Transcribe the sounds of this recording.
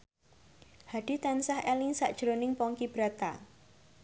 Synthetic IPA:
had̥i̤t̪ansahɛlɪŋsaʔd̥ʒ̥ɾonɪŋpɔŋkib̥ɾat̪a̰

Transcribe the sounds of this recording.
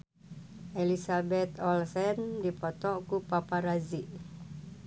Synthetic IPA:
ʔelisabɛt̪ɔlsɛndipɔt̪ɔkupapaɾaziʔ

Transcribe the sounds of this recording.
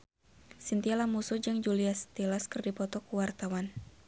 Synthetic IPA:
sint̪ialamusud͡ʒɨŋd͡ʒuliast̪elaskɨrdipɔt̪ɔkuwart̪awan

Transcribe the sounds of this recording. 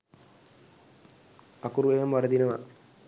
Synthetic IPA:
ɐkuɾuʋejɐmʋɐɾɐd̪inɐʋa̰

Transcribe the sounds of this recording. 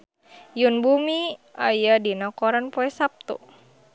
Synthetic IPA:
junbumiajadinakɔɾanpɔɛsap̚t̪ṵ

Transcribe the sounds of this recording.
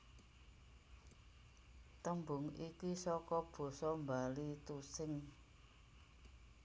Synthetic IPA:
t̪əmbʊŋikisɔkɔb̥o̤sɔmbalit̪usɪŋ

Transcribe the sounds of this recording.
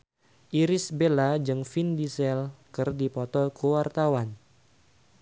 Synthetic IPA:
ʔiɾɪsbelad͡ʒɨŋfindisɛlkɨrdipɔt̪ɔkəwart̪awan

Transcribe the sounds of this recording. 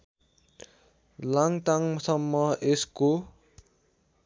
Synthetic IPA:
laŋt̪aŋsʌmːʌesko

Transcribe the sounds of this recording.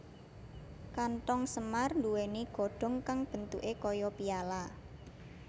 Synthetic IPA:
kant̪ɔŋsəmarnduweniɡ̥o̤ɖ̥ɔ̤ŋkaŋb̥ə̤nt̪uʔekɔjɔpiala

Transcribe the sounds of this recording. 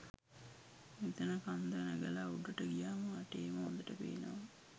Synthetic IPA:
mit̪ənəkand̪ənæɡəlauɖəʈəɡijaːməaʈeːməɦo̰nd̪əʈəpḛːnə̰ʋə

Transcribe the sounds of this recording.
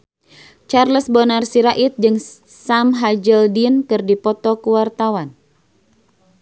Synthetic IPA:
t͡ʃarləsbɔnarsiɾaʔit̪̚d͡ʒɨŋ | samɦad͡ʒəldinkɨrdipɔt̪ɔkuwart̪awan

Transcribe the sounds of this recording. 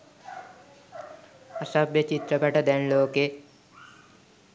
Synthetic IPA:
ɐsɐbjɐt͡ɕit̪ɾɐpɐʈɐd̪ɛnloːke

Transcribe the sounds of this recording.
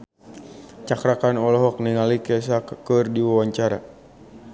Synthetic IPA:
t͡ʃakɾakanɔlɔɦɔk̚niŋalikɛs̬akkɨrdiwawaɲt͡ʃaɾa̰

